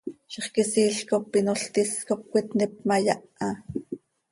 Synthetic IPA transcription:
ʃeχkisiːɬkopːinoɬt̪iskop̚kʷit̪nɛp̚majɑʔɑ

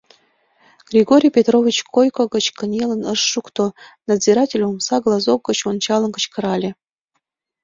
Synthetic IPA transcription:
ɡ̥rʲiɡoɾʲijpʲet̪rovʲit͡ɕkojkoɡə̆t͡ɕkənʲelˠə̆nəʃːukt̪onad̪ziɾɑtʲelʲumsɑɡlˠɑzok̚ɡə̆t͡ɕont͡ɕɑlˠə̆nɡə̆t͡ɕkə̆ɾɑlʲĕ

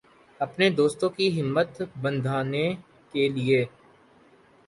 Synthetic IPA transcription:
ɐpned̪oːst̪õkiɦɪmːət̪bə̃nd̪ʱaːne | kelieː

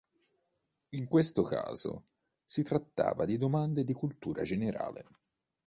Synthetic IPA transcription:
iŋkwest̪oka̰ːz̥o̰ | sit̪ɾat̪ːa̰ːvad̪id̪omand̪ed̪ikult̪uːɾa̰d͡ʒeneɾʔa̰ːlḛ

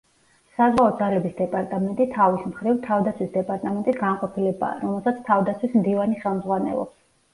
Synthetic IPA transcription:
sazwaɔd̪zalɛbisd̪ɛpʼaɾt̪ʼamɛnt̪ʼit̪ʰavismχɾivt̪ʰavd̪at̪sʰwisd̪ɛpʼaɾt̪ʼamɛnt̪ʼisɡanqʼɔpʰilɛba̰ːɾɔmɛlˠsat̪sʰt̪ʰavd̪at̪sʰwismd̪ivaniχɛlˠmdzʁwanɛ̰lˠɔ̰ps

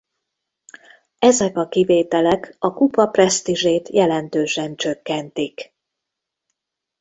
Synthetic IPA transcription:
ɛzɛkɒkiveːt̪ɛlɛkɒkupɒprɛst̪iʒeːt̪jɛlɛnt̪øːʃɛnt͡ʃø̞kːɛnt̪ik

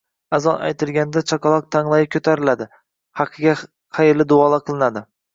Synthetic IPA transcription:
azɒna̰jt̪ʰɪlɡʲand̪at͡ʃʰɒkɑlˠɒq̚t̪ʰaŋlˠajɪkʰʲɵt̪ʰaɾɪlad̪ɪ | hɑqʰɨɡʲa | qʰɑjɪɾlɪd̪ʊɒlˠaqʰɨlˠɪnad̪ɪ

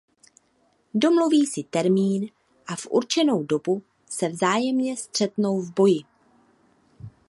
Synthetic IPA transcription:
do̞mluviːsɪt̪ɛɾmiːn | ʔafʔṵɾt͡ʃɛno̞wdo̞bu | sɛvzaːjɛmɲɛst̪r̝̥ɛt̪no̞wvbo̞jɪ

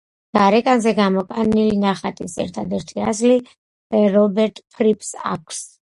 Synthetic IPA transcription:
ɡ̥aɾɛkʼanzɛɡamɔkʼanilinaχat̪ʼisɛ̰ɾt̪ʰad̪ɛɾt̪ʰiazli | ɾɔbɛɾt̪ʼpʰɾipʰʼsa̰kʰs

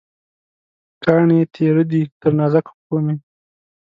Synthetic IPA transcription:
kɑːɳet̪ʰeɾəd̪it̪əɾnɑːzakpkome

